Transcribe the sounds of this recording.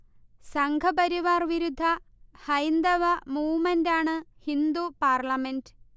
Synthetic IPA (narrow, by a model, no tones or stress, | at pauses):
sɐŋɡʱɐbɐɾiʋaːrʋiɾud̪ʱːɐhɐjnd̪ɐʋɐmuːmɐndaːɳɨhind̪upaːrɭɐmend